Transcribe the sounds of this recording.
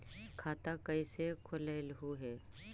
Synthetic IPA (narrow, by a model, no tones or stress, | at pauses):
kʰaːt̪akəisekʰʊleːlɦuɦɛː